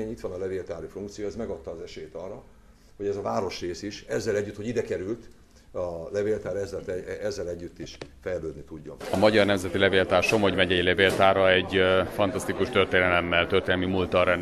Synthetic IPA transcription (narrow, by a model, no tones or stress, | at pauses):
eɲit̪ʋɒnɒlɛveːlt̪aːɾifuŋkt̪sijoɛzmɛɡɒt̪ːɒːzɛʃɛeːt̪ɒrːɒ | ho̞ɟɛzɒvaːɾo̞ʃreːsiʃɛzːɛlɛɟːyt̪ːho̞ɟid̪ɛkɛɾylt̪ | ɒlɛveːlt̪aːɾɛzːɛlt̪ɛɛzːɛlɛɟːyt̪ːiʃfɛjløːd̪nit̪uɟːo̰mɒmɒɟɒrnɛmzɛt̪ilɛveːlt̪aːrʃomhoɟmɛɟɛɟlɛveːlt̪aːɾɒɛɟfɒnt̪ɒst̪ikuʃt̪ørt̪eːnɛlɛmːɛlt̪ørt̪eːnɛmimult̪ɒɾɛn